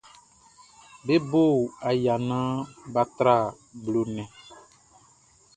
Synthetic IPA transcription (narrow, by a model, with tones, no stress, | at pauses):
be˦bo˦˨a˨ja˨nã˦ba˨t̪ɾa˦˨ | blo˨nɛ̃˨